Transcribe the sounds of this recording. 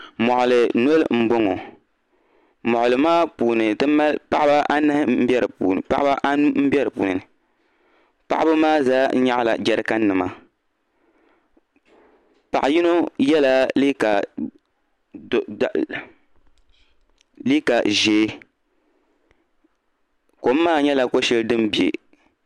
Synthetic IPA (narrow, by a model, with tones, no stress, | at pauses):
mɔ˨ʔʊ˨lɨ˨no˦lm̩˦bo˦ŋo˨ | mɔ˨ʔʊ˨lɨ˨maː˦puː˨nɨ˨dɨ˦ma˦lpa˦ʔa˦ba˦ʔa˦nɨ˦hm˦m̩˦bɛ˦ɾɨ˨puː˨nɨ˨pa̰˦ʔa˦ba˦ʔa˦m̩˦bɛ˦ɾɨ˨pṵ˨nɨ˨nɨ˨ | pa̰˦ʔbʊ˦maː˦zaː˦ɲa˦ʔla̰˨d͡ʒɛ˨ɾɨ˦ka˦n˦nɨ˨ma˦˨ | pa˨ʔa˨ji˦no˦jɛ˦la˦li˦ka˨ | li˦ka˨ʒeː˨˦ | ko˨m̩ː˦aː˦˨ɲɛ˦la˨ko˦ʃɛ˦ldɨ˦mbi˨ḛ˨